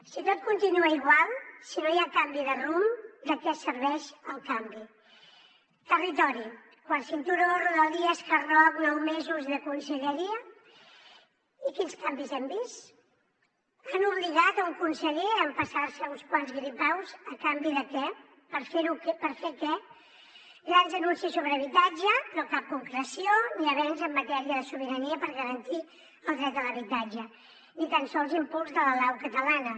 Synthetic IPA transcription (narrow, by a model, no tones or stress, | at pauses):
sit̪ot̪̚kunt̪inuəiɣwalˠsinojakambiðərumd̪əkɛsəɾβɛʃəlˠkambi | t̪ərit̪̬ɔɾi | kwansint̪uɾoruðəlˠðiəskərɔβnɔwmezuzðəkunsəʎəɾiə | ikinskambizɛmbist̪ | anuβliɣat̪uŋkunsəʎeəmpəsaɾsəunskwanzɣɾipawzəkambiðəkɛ | pəɾfeɾukpəɾfeɾkɛ | ɡɾanzðənunsisːoβɾəəβ̞it̪ad͡ʒənokap̚kuŋkɾəsioniəβɛnzəmːət̪ɛɾiəðəsuβ̞iɾəniəpəɾɣəɾənt̪i | əlˠd̪ɾɛt̪̚d̪ələβit̪ad͡ʒə | nit̪ansɔlˠzimpulˠzðələlawkət̪əlanə